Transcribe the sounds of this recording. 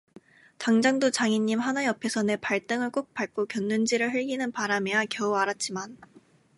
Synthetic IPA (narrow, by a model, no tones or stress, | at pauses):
taŋd͡ʑaŋdot͡ɕaŋiɲːimɦanajʌpʰe̞sʰʌne̞paɭt͈ɯŋɯɭk͈ok̚p͈aɭk͈okjʌnːɯnd͡ʑiɾɯɭɸɯɭɡinɯnpaɾamejakjʌuaɾat̚t͡ɕ͈iman